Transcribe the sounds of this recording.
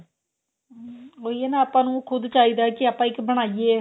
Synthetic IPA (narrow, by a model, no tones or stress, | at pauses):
oːieːnãːaːpãːnũːkʰʊd̪t͡ʃaːiːd̪aːkɪaːpãːɪkbəɽ̃aːieː